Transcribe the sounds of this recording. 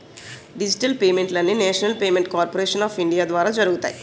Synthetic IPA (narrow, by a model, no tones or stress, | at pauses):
ɖid͡ʒiʈɐlpeːmeɳʈlɐnːineːʂɐnɐlpeːme̞ɳʈkaːɾpoɾeːʂɐnaːfiɳɖijaːd̪ʋaːɾaːd͡ʒɐɾuɡut̪a̰ːji